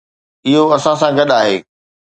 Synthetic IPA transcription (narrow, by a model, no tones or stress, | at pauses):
ɪɦoɐsãsãɡɐɗaːɦḛː